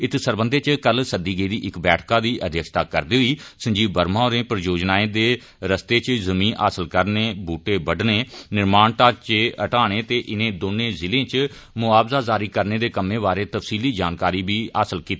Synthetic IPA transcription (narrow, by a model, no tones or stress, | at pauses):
ɪt̪səɾbənd̪eːt͡ʃkəlsəd̪iːɡəiːd̪iːʔɪkbɛːʈʰkãːd̪iːʔəd̪ʱjəkʃt̪aːkəɾd̪iːɦiːsə̃ɲd͡ʒiːbbəɾmãːoɾẽːpɾjoːd͡ʒnaːẽːd̪eː | ɾəst̪eːt͡ʃzəmiːnʔa̰ːsəlkəɾneːbuːʈeːbəɖneːnɪɾmaːɳt̪aːt͡ʃeːəʈaːɽ̃eːt̪eːʔɪnẽːd̪oːnẽːzɪlẽːt͡ʃ | mʊaːbzaːzaːɾiːkəɾneːd̪eːkəmẽːbaːɾeːt̪əfsiːliːd͡ʒaːnkaːɾiːbiːa̰ːsəlkiːt̪ː